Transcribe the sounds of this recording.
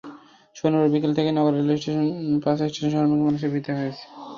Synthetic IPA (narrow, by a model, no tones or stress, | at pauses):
ʃonubaɾbikelt̪ʰekenɔɡaɾɾelesʈeʃonpasesʈeʃonʃɔɦɾmukmanuʃ̬eɾbʱit̪eɦojet͡ɕʰe̥